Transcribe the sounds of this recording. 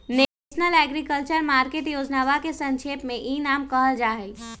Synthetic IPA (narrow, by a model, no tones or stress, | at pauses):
ne | ʃnəlɛɡɾikəlt͡ʃəɾmaːɾkeːʈjoːd͡ʒnaːʋakesə̃ŋʃʰeːpmẽʔiːnaːmkəɦəld͡ʒaːɦe